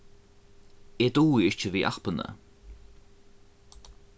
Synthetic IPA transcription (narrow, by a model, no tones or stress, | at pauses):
ed̪uːiɪʃt͡ʃəviːʔa̰xpənə̰